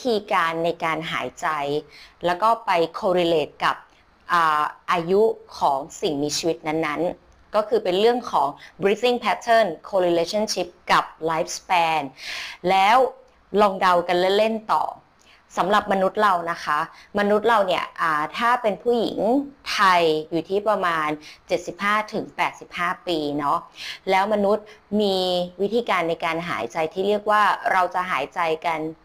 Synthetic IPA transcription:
i˦t̪ʰiː˧kaː˧nːa˧jkaː˧nɦa̰ː˩˦jt͡ɕa˧jlɛː˦˥wkɔː˥˩pa˧jkʰoː˧ɾi˧leː˨˩t̪̚ka˨˩p̚ | ʔaː˨˩ʔaː˧ju˦˥kʰɔː˩˦ŋsi˨˩ŋmiː˧t͡ɕʰiː˧wi˦˥t̪̚na˦˥nːa˦˥n | kɔː˥˩kʰɯː˧pe˧nɾɯ˥˩əŋkʰɔː˩˦ŋbɾi˦˥si˥˩ŋpʰɛː˦˥t̪ʰɤː˥˩nkʰoː˧ɾi˧leː˧˥t͡ɕʰa˥˩nt͡ɕʰi˦˥p̚ka˨˩p̚laː˦˥p̚spɛː˧nlɛː˦˥w | lɔː˧ŋda˧wka˧nle˥˩le˥˩nt̪ɔ̰ː˨˩ | sa˩˦mɾa˨˩p̚ma˧nu˦˥t̪̚ɾa˧wna˦˥kʰa˦˥ma˧nu˦˥t̪̚ɾa˧wni˥˩ɐʔaː˨˩t̪ʰaː˥˩pe˧npʰuː˥˩jḭ˨˩˦ŋt̪ʰa˧jjuː˨˩t̪ʰiː˥˩pɾa˧maː˧nt͡ɕe˨˩t̪̚si˨˩p̚haː˥˩t̪ʰɯ˩˦ŋpɛː˨˩t̪̚si˨˩p̚haː˥˩piː˧nɔ˦˥lɛː˦˥wma˧nu˦˥t̪̚miː˧wi˦˥t̪ʰiː˧kaː˧nːa˧jkaː˧nɦa̰ː˩˦jt͡ɕa˧jt̪ʰiː˥˩ɾi˥˩ək̚waː˥˩ɾa˧wt͡ɕa˨˩ʔɦaː˩˦jt͡ɕa˧jka˧n

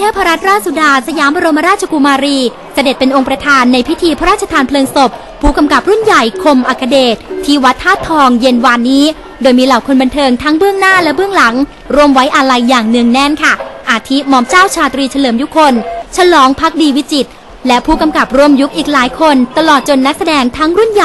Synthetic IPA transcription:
t̪ʰɛː˥˩wpʰa˧ɾa˦˥t̪̚ɾaː˥˩t̪̚su˨˩daː˧sa˧jaː˩˦mba˧ɾo˧ma˦ɾaː˥˩t̪̚t͡ɕʰa˧ku˧maː˧ɾiː˧ | sa˧de˨˩t̪̚pe˧nʔo˧ŋpɾa˧t̪ʰaː˧nːa˧jpʰi˦˥t̪ʰiː˧pʰa˦˥ɾaː˥˩t̪̚ʰa˧t̪ʰaː˧npʰlɤː˧ŋso˨˩p̚ʰːuː˥˩ka˧mka˨˩p̚ɾu˥˩nja˨˩jkʰo˧mʔa˨˩kʰːa˧deː˨˩t̪̚ʰːiː˧˥˩wa˦˥t̪ʰːaː˥˩t̪ʰːɔː˧ŋje˧nwaː˧nːiː˦˥ | doː˧jmiː˧laː˨˩wkʰo˧nba˧nt̪ʰɤː˧ŋt̪ʰa˦˥ŋbɯ˥˩əŋnaː˥˩lɛ˦˥bɯ˥˩əŋla˩˦ŋ | ɾu˥˩əmwa˦˥jʔa˧ɾa˧jːaː˨˩ŋnɯ˨˩əŋnɛ˥˩nkʰa˥˩ʔaː˧˩t̪ʰi˦˥mɔː˧˥mt͡ɕaː˥˩wt͡ɕʰaː˧t̪ɾiː˧t͡ɕʰa˧lɤː˩˦mju˦˥kʰːo˧nt͡ɕʰa˧lɔː˩˦ŋpʰa˦˥k̚diː˧wi˦˥t͡ɕi˨˩t̪̚ | lɛ˦˥pʰuː˥˩ka˧mka˨˩p̚ɾu˥˩əmju˦˥k̚ʔiː˨˩k̚laː˩˦jkʰo˧nt̪a˧lɔː˨˩t̪̚t͡ɕo˧nːa˦˥k̚sa˧dɛː˧ŋt̪ʰa˦˥ŋɾu˥˩nja˨˩

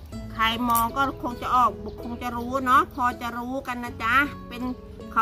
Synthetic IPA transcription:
kʰa˧˩jmɔː˧ŋkɔː˥˩kʰo˧ŋt͡ɕa˨˧ʔɔː˨˩k̚bɔː˧˦kʰo˧ŋt͡ɕa˨ɾuː˦˥nɔ˦˥pʰɔː˧t͡ɕa˧˨ɾuː˦˥ka˧nːa˧˥˩t͡ɕa˧pe˧n | kʰa˨

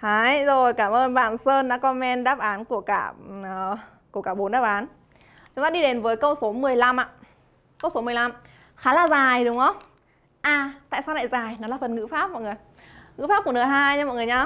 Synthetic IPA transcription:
haː˨˦jzo˨˩jkaː˧˩mʔəː˧nɓa̰ː˧˨nsəː˧nɗa̰ː˧˥kɔ˧mɛ˧nɗaː˦˥p̚ʔaː˨˦nku˧˩əkaː˧˩˨ | ku˧˩əkaː˧˩ɓo˨˦nɗaː˦˥p̚ʔaː˨˦n | t͡ɕʊ˨˦ŋ͡mt̪aː˧ɗi˧ɗe˨˦nvəː˨˦jkə˧wso˨˦mɨ˨˩əjla˧mʔa̰ː˧˨ | kə˧wso˨˦mɨ˨˩əjla˧m | xaː˨˦laː˨˩zaː˨˩jɗʊ˨˦ŋ͡mʔə˧˦wŋ͡m | ʔaː˨˩t̪a̰ː˧˨jsaː˧wna̰ː˧˨jzaː˨˩jnɔ˨˦laː˨˩fə˨˩nŋɨ̰˧˥faː˦˥p̚mɔ̰˧˨jŋɨ˨˩əj | ŋɨ̰˧˥faː˦˥p̚ku˧˩ənɨ˨˩jɦaː˧jt͡ɕaː˧mɔ̰˧˨ŋɨ˨˩əjɲaː˧

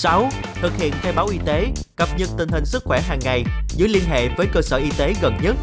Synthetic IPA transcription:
sa˨˦w | t̪ʰɨ˨˩k̚hḭ˧˨ənt̪ʰɛ˧wɓaː˨˦wʔi˧t̪e˨˦kə˨˩p̚ɲə˨˩t̚t̪ï˨˩ŋ̟hï˨˩ŋ̟sɨ˦˥k̚xwɛ˧˩ɦaː˨˩ŋːa˨˩jzɨ˨˦əjli˧ənɦḛ˧˨vəː˨˦jkəː˧səː˧˩ʔi˧t̪e˨˦ɣə˨˩nɲə˦˥t̚

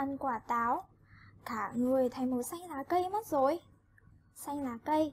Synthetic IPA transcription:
a˧nkwaː˧˩t̪aː˨˦w | kaː˧˩ŋɨ˨˩əjt̪ʰə˨˦jmo˨˩t̚sa˧jŋ̟laː˨˩kə˧jmə˦˥t̚zo˨˩j | sa˧ŋ̟laː˨˩kə˧j

